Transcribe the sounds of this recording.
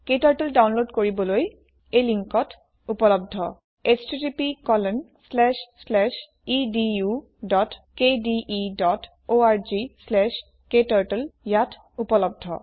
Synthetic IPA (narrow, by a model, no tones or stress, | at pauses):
ketaɹʈeldawnlodkoɹibɔloj | ejliŋkɔt | upɔlɔb̚dʱɔ | estitipikɔlɛnslɛʃslɛʃ | idiju | dɔtkediʔidɔt | oaɹzislɛʃ | ketaɹteljatʰ | upɔlɔb̚dʱɔ̰